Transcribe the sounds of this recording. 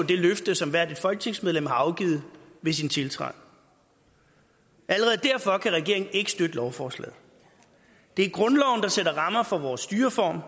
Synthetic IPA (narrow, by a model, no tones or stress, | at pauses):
d̥e̝løfd̥əsɒ̽mʋæɐ̰d̥id̥fɒ̽lɡ̥ə̥t͡sʰe̝ŋsmeð̞ˠlem̰ɦɑ̈ɑ̈ʊɡ̥ḭːð̞̩ˠʋe̝sint͡sʰe̝lt͡sʰʁɑ̰̈ | ʔæləʁɛð̩ˠd̥æɐ̰fɒ̽kʰæʁɛɡ̥e̝ɐ̰e̝ŋn̩e̝ɡ̥əsd̥ød̥əlɒʊfɒːslɛ̰ːð̩ˠ | d̥e̝æɐɡ̥ʁɔ̽nlɒʊn̩d̥ɑ̈seɾɐʁɑ̈mɐfɒ̽ʋɒːsːd̥yːɐfɒ̰ːm